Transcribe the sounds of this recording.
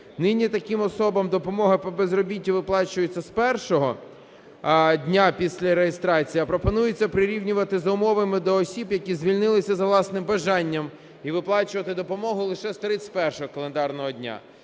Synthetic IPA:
nɪnʲit̪ɐkɪmɔsɔbɐmd̪ɔpɔmɔɦɐpɔbezrɔbʲitʲːiʋɪplˠɑt͡ʃʊjʊt͡sʲːɐspɛrʃɔɦɔ | dʲnʲapʲisʲlʲɐɾejest̪ɾɑt͡sʲijɐpɾɔpɔnujʊt͡sʲːɐpɾɪɾʲiwnʲʊʋɐt̪ɪzɐʊmɔʋɐmɪd̪ɔːsʲibjɐkʲizʲʋʲilʲnɪlˠɪsʲɐzɐʋlˠɑsnɪmbɐʒɑnʲːɐm | iʋɪplˠɑt͡ʃʊʋɐt̪ɪd̪ɔpɔmɔɦʊlˠɪʃɛst̪ɾɪt͡sʲtʲpɛrʃɔɦɔkɐlˠend̪ɑrnɔɦɔdʲnʲa̰

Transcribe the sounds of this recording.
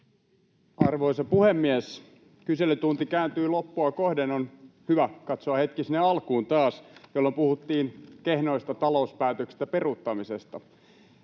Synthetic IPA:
ɑrʋo̞isɑpuhemːies | kyselːit̪unt̪ikæːnt̪yːlopːuɑkohdenonhyʋækɑt̪soɑhet̪kisinːeɑlkuːnt̪ɑːsjolːompuhut̪ːiːnkehno̞ist̪ɑt̪ɑlouspæːt̪øksi̥st̪ːæperut̪ːɑmisest̪ɑ

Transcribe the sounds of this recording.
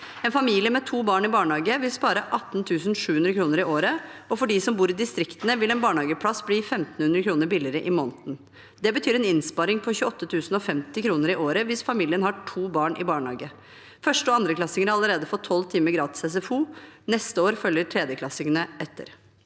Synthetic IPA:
ɛːnfɑmilɪəmɛt̪ʰuːbɑːɳɪbɑːɳhɑːɡəʋɪlspɑːɾəʔɑt̪ːn̩t̪ʰʉːsn̩ʂʉːhʉnd̪ɾəkʰɾuːnəɾɪʔoːɾəɔfɔɖiːsɔmbuːɾɪd̪ɪst̪ɾɪkt̪ənəʋɪlɛnbɑːɳhɑːɡəpʰlɑsbliːfɛmt̪n̩hʉnd̪ɾəkʰɾuːnəɾbɪlɪɾəʔɪmɔːnt̪n̩ | d̪ɛbət̪ʰyːɾɛnɪnspɑːɾɪŋpʰɔçʉːɔt̪ːət̪ʰʉːsnɔfɛmt̪ɪkʰɾuːnəɾɪʔoːɾəʋɪsfɑmiːlɪənhɑʈʰuːbɑːɳʔɪ̰bɑːɳhɑ̰ːɡə | fœʂʈəɔɑnd̪ɾəkʰlɑsɪŋəɾɑləɾeːd̪əfɔt̪ʰɔlt̪ʰiːməɡɾɑːt̪ɪ̥sɛsɛfuːnɛst̪əoːɾfœljəʈʰɾɛːd̪jəkʰlɑsɪŋənəʔɛt̪ʰːə̰ɾ

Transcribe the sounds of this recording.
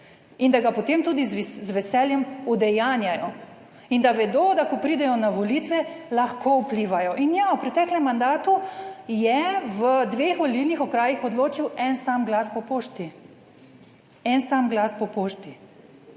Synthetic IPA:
ind̪aɡapɔt̪emt̪uːd̪izzʋɛsɛljɛmud̪ɛjaːnjajɔ | ind̪aʋɛd̪oːd̪akɔpɾiːd̪ɛjɔnaʋolit̪ʋɛlaxkoupliːʋajɔʔinjawpɾɛt̪ɛːklɛmːand̪aːt̪ujɛʋəd̪ʋeːxɔlilnixɔkɾaːjixɔd̪loːt͡ʃiwɛnsaːmɡlaspɔpoːʃt̪i | ɛnsaːmɡlaːspɔpoːʃt̪i

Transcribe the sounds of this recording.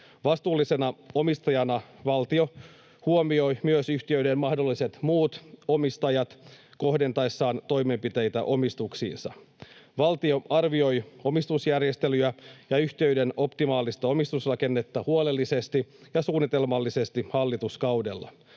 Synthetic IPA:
ʋɑst̪uːlːise̞nɑo̞mist̪ɑjɑnɑʋɑlt̪io̞ | huomio̞jmyøsyçt̪iøɥdemmɑhdo̞lːiset̪muːt̪o̞mist̪ɑjɑt̪ko̞hde̞nt̪ɑesːɑːnt̪o̞jme̞mpit̪e̞jt̪æʔo̞mist̪uksḭːnsɑ̰ | ʋɑlt̪io̞ɑrʋio̞jo̞mist̪usjærjest̪elyæjɑyçt̪eɥde̞no̞pt̪imɑːlist̪ɑo̞mist̪usrɑke̞nːe̞t̪ːɑhuole̞lːise̞st̪ijɑsuːnːit̪e̞lmɑlːise̞st̪ihɑlːit̪uskɑwde̞lːɑ̰

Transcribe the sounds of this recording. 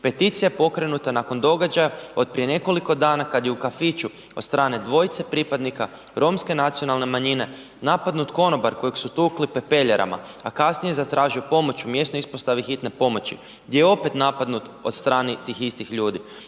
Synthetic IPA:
pe̞t̪it̪sijajepo̞kɾe̞nut̪anako̞nd̪o̞ɡad͡ʒajao̞d̪̚pɾije̞ne̞ko̞liko̞d̪aːnakad̪jeukafit͡ʃu | o̞d̪st̪ɾaːne̞d̪ʋo̞jt̪sepɾiːpad̪nika | ɾo̞mske̞nat̪sijo̞nalne̞maɲine̞ | napad̪nut̪ko̞no̞baɾko̞jeɡsut̪uklipe̞pe̞ʎeɾʔa̰ma̰ | akasnije̞zat̪ɾʔaːʒijupo̞mo̞t͡ʃumje̞st̪noispost̪aʋixit̪ne̞po̞mo̞t͡ɕḭ | ɡd̪jejeo̞pe̞t̪napad̪nut̪o̞d̪st̪ɾaːnit̪iːxist̪ixʎuːd̪i

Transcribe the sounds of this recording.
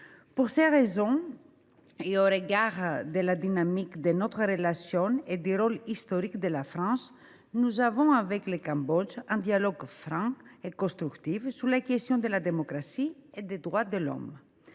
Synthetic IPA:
puɾseʁezɔ̃ | eoɾeɡaʁd̪elad̪inamikd̪enot̪ʁʁelasjɔ̃ed̪yɾolist̪oɾikd̪elafɾɑ̃s | nuzavɔ̃avɛklekãmbɔd͡ʒɛ̃d̪jalɔɡfɾãekõst̪ɾykt̪ivsulakest̪jɔ̃d̪elad̪emokɾasied̪ed̪ʁwad̪elɔ̰m

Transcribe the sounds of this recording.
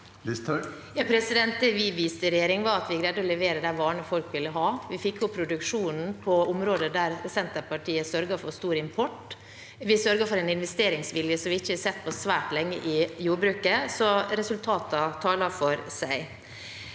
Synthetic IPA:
ɪst̪ | jɑːpʰɾɛsɪd̪ɛnt̪əʋɪʋiːst̪əɾɛjeːɾɪŋʋɑɾɑt̪ʋɪɡɾɛd̪ːɔlɛʋeːɾəd̪æʋɑːɳəfɔlkʋɪlːəɦɑːʋɪfɪkːjʊpʰɾʊd̪ʉkʂuːnn̩pʰɔʊmɾoːd̪əd̪æɾsɛnt̪əpɑʈʰiːəsœɾɡɑfɔst̪uːɾəɪmpʰɔʈː | ʋɪsœɾɡɑfɔɾɛnɪnʋɛst̪eːɾɪŋsʋɪljəsɔmʋɪɪçːəsɛt̪ːpʰɔsʋæːʈlɛŋːə̰ʔɪjuːbɾʉːkəsɔɾɛsʉlt̪ʰɑːt̪ɑt̪ʰɑːlɑfɔɾsæɪ

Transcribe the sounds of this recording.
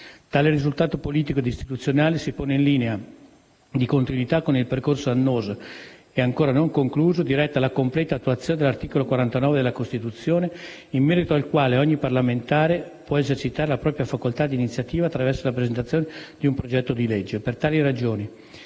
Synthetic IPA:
t̪aːleɾizult̪aːt̪opoliːt̪ikoed̪ist̪i̥t̪ut̪sːjonaːlesipoːneinliːnea | d̪ikont̪inwit̪akːonilperkorsoanːoːzo | eaŋkoːɾanoŋkoŋkluːzod̪iɾɛt̪ːalakomplɛːt̪at̪ːuat̪sjoːned̪elart̪iːkolokwaɾant̪anɔːved̪elakost̪it̪ut̪sːjoːne | imːɛːɾit̪oalkwaːleɔɲːiparlament̪aːɾe | pwɔezert͡ʃit̪aːɾelapɾɔːpɾjafakolt̪ad̪iːnit̪sjat̪iːvaːt̪ːɾavɛrsolapɾezent̪at̪sːjoːned̪iumpɾod͡ʒɛt̪ːod̪ilɛd͡ʒːepert̪aːlirad͡ʒoːni

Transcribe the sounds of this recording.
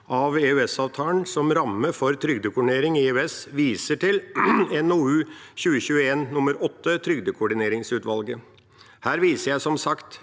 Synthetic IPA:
ʔɑʋeʉɛsɑːʋt̪ʰɑːənsɔmɾɑmːəfɔɾt̪ʰɾʏɡd̪əkʰʊɖɪneːɾɪŋɪeʉɛsʋiːsəʈɪlɛnuːʉçʉːəçʉːəeːnːʊməɾɔt̪ːət̪ʰɾʏɡd̪əkʰʊɖɪneːɾɪŋsʉːt̪ʋɑlɡə | hæːɾʋiːsəɾjæɪsɔmsɑkt̪

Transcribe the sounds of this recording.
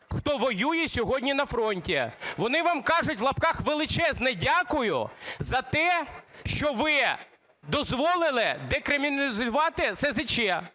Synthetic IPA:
xt̪ɔʋɔjujɛsʲɔɦɔdʲnʲinɐfɾɔnʲtʲiʋɔnɪʋɑmkɑʒʊtʲʋlˠɐpkɑxʋelˠɪt͡ʃɛznɛdʲakʊjʊ̰zɐt̪ɛʃt͡ʃɔʋɪ | d̪ɔzʋɔlˠɪlˠɪd̪ekɾɪmʲinzʊʋɑt̪ɪsɛzɪt͡ʃɛ

